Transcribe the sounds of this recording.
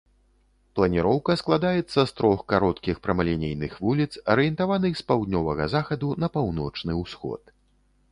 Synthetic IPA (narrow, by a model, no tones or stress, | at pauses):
plˠɐnʲiɾɔwkɐsklˠad̪ajɛt̪sːɐst̪ɾɔxkaɾɔt̪kʲixpɾɐmɐlʲɛnʲejnɨxvulʲit̪sɐɾɨjɛnt̪avanɨxspawd̪ʲnʲɔvɐɣɐzaxɐd̪unɐpawnɔ̰t͡ʂnɨwsxɔ̰t̪